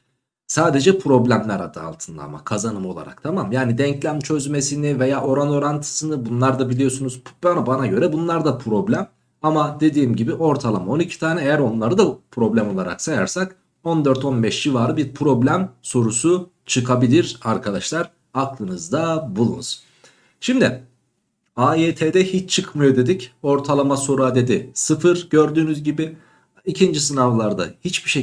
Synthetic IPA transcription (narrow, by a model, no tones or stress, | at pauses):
saːd̪e̞d͡ʒɛpʰɾo̞blʲæmlʲæɾa̰d̪ɯa̰lˠt̪ʰɯnd̪a̰ːma̰kʰazanɯmo̞lˠa̰ɾa̰kt̪ʰamamjaːnid̪ɛɲcʰlʲæmt͡ʃʰø̞zme̞sinive̞jaːʔo̞ɾano̞ɾant̪ʰɯ̥sɯnɯbunlˠaɾd̪abilʲijo̞sunuz̥banabanaɟø̞ɾɛbunlˠaɾd̪apʰɾo̞blʲæm | amad̪e̞d̪iːmɟibiʔo̞ɾt̪ʰalˠamao̞nicʰi̥t̪ʰaːnɛejæɾo̞nlˠaɾɯd̪apʰɾo̞blʲæmo̞lˠaɾa̰ksaja̰ɾsak | o̞nd̪øɾt̪ʰo̞nbɛʃd͡ʒivaːɾɯbiɾpʰɾo̞blʲæmso̞ɾusu | t͡ʃʰɯkʰabilʲiɾaɾkʰad̪aʃlˠaɾ | aklˠɯnɯzd̪abulˠṵnuz̥ | ʃimd̪ɪ | aeːt̪ʰed̪ɛhit͡ʃt͡ʃʰɯkmɯjo̞d̪e̞d̪ico̞ɾt̪ʰalˠamaso̞ɾuad̪e̞d̪isɯfɯɾɟøɾd̪yːnyzɟibi | icʰind͡ʒisɯnavlˠaɾd̪a̰hit͡ʃbiʃe